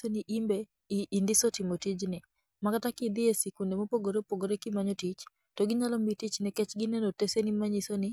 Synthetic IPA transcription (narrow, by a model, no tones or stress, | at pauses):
oniʔimbe | iːndɪsotɪmotid͡ʒnɪ | makatakɪd̪ɪesikundemopoɡoɾepoɡoɾekɪmaɲɔtit͡ʃ | toɡɪɲalɔmitit͡ʃnɛkɛt͡ʃɡɪnɛnotesenɪmaɲisonɪ